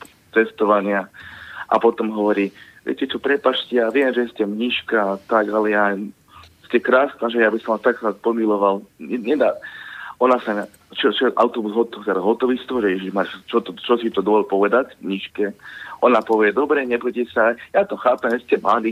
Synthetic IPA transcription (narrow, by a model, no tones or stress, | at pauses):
t͡sɛst̪ɔʋaɲɪaʔa̰pɔt̪ɔmɦɔʋɔɾiːʋɪɛ̰cɛt͡ʃɔpɾɛpaʃtcɛjaʋɪɛmʒɛscɛmɲiʃkaːt̪aɡalɛja | scɛkɾaːsnaʒɛjaːbisɔmʋast̪aksɾaːt̪̚pɔmilɔʋalɛɲɛd̪aːɔnasa | t͡ʃɔt͡ʃɛʔa̰ʊt̪ɔbuzɦɔt̪ɔt̪ɛɾaɦɔt̪ɔʋist̪ʋɔʒɛjɛʒiʒmat͡ʃɔt̪ɔt͡ʃɔsit̪ɔd̪ɔʋɔlpɔʋɛd̪acmɲiʃkɛʔɔnapɔʋɪɛd̪ɔbɾɛɲɛbɔcɛsajat̪ɔxaːpɛmʒɛscɛmad̪i